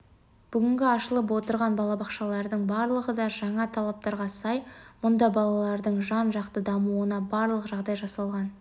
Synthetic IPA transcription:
b̥ʏɡʲɪŋɡʲɪɑʃəlˠəp̬wo̞t̪əɾʁɑnbɑlˠɑbɑqʃɑlˠɑɾd̪əɴbɑɾlˠəʁəd̪ɑʒɑɴɑt̪ʰɑlˠɑp̚t̪ɑɾʁɑsɑjmʊnd̪ɑbɑlˠɑlˠɑɾd̪əɴʒɑnʒɑqt̪əd̪ɑmuənɑbɑɾlˠəqʒɑʁd̪ɑjʒɑsɑlˠʁɑn

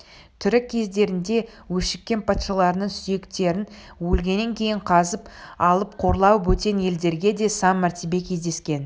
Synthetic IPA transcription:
t̪ʰʏɾɪkʲʰːe̞zd̪e̞ɾɪnd̪e̞ | wɵʃɪkʲːe̞npʰɑt̪ʃɑlˠɑɾənəɴsʏje̞kt̪e̞ɾɪn | wɵlɡʲe̞nːe̞ŋkʲʰe̞jɪɴqʰɑzəpɑlˠəp̚qʰo̞ɾlˠɑwəpwɵt̪e̞nje̞ld̪e̞ɾɡʲe̞d̪e̞sɑmːæɾt̪ʰebe̞kʲʰe̞zd̪e̞skʲe̞n

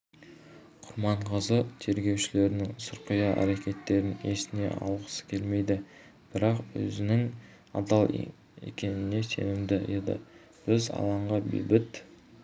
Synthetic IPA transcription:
qʰʊɾmɑɴqʰəzət̪ʰe̞ɾɡʲe̞wʃɪle̞ɾɪnɪŋsəɾqʰəjɑʔæ̰ɾe̞kʲe̞t̪ːe̞ɾɪne̞sɪne̞̰ʔɑ̰w̪ˠʁə̥sə̥kʲʰe̞lme̞jd̪ɪ | b̥ɪɾɑqwɵ̰zɪnɪŋ | ɑ̰d̪ɑlˠ | ḛkʲe̞nɪne̞se̞̰nɪmd̪ɪjed̪ɪ̰ | b̥ɪzɑ̰lˠɑɴʁɑbḛbɪt̪

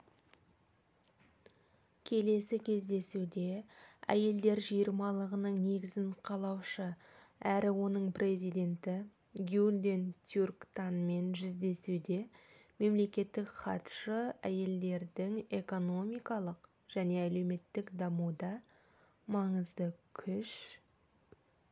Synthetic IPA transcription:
kʲʰe̞le̞sɪkʲʰe̞zd̪e̞sud̪e̞æ̰je̞ld̪e̞ɾʒijəɾmɑlˠəʁənəɴne̞ɡʲɪzɪɴqʰɑlˠɑwʃə | æɾɪwo̞nəɴpre̞zijd̪e̞nt̪ɪ | ɡʲud̪ent̪ʰjurkt̪anme̞nʒʏzd̪e̞sud̪e̞ | me̞mle̞kʲe̞t̪ːɪkχɑt̪ʃəæje̞ld̪e̞ɾd̪ɪŋe̞ko̞no̞mijkɑlˠəq | ʒ̥æne̞æle̞wme̞t̪ːɪkd̪ɑmud̪ɑ | mɑɴəzd̪əkʲʰʏʃ

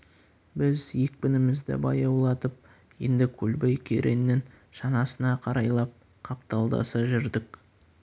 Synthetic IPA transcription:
bɪzje̞k̚pɪnɪmɪzd̪ɪ̰bɑjɑwlˠɑt̪əp̚ | je̞̰nd̪ɪkʲʰɵlbejkʲʰḛɾʔenːɪŋ | ʃɑnɑsənɑqʰɑɾɑjlˠɑp̚ | qʰɑpt̪ɑlˠd̪ɑ̰sɑʒʏɾd̪ɪk

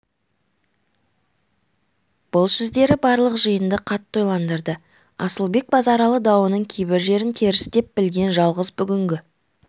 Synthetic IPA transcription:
b̥ʊlˠsɵzd̪e̞ɾɪbɑɾlˠəqʒəjənd̪əqʰɑt̪ːojlˠɑnd̪əɾd̪ə | ɑ̰səlˠbe̞k̚bɑzɑɾɑlˠəd̪ɑwənəɴkʲʰejbɪɾʒe̞ɾɪnt̪ʰe̞ɾɪst̪e̞p̚bɪlɡʲe̞nʒɑlˠʁəzbʏɡʲɪŋɡʲɪ

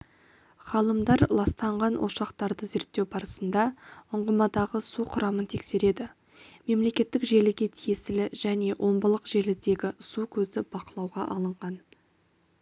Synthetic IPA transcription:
χɑlˠəmd̪ɑɾlˠɑst̪ɑɴʁɑnwo̰ʃɑqt̪ɑɾd̪əze̞ɾt̪ːewbɑɾəsənd̪ɑʊɴʁəmɑd̪ɑʁəsuqʰʊɾɑmənt̪ʰekse̞ɾe̞d̪ɪ | me̞mle̞kʲe̞t̪ːɪkʒe̞lɪɡʲe̞t̪ʰijesɪlɪʒæne̞wʔo̞mbəlˠəqʒe̞lɪd̪e̞ɡʲɪsukʲʰɵzɪbɑqəlˠɑwʁɑ̰ʔɑ̰lˠəɴʁɑn

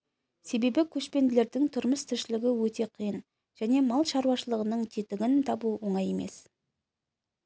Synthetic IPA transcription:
se̞be̞bɪkʲʰɵʃpe̞nd̪ɪle̞ɾd̪ɪŋt̪ʰʊɾməst̪ʰɪʃɪlɪɡʲɪwɵt̪e̞qʰijən | ʒ̥æne̞mɑlˠʃɑɾwɑʃəlˠəʁənəɴt̪ʰet̪ɪɡʲɪnt̪ʰɑbuwo̞ɴɑje̞me̞̰s

